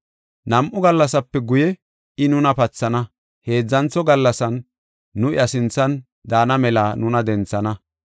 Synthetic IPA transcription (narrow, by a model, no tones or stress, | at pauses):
nɐmʔʊɡɐlːɐsɐpːɛɡʊjɛ | ɪnʊnɐpɐt͡sːɐnɐ | he̞ːd͡zːɐnt͡sːɔɡɐlːɐsɐnː | ʊɪ̰ɐsɪnt͡sːɐn | d̪aːnɐmɛlaːnʊnɐd̪ɛnt͡sːɐnɐ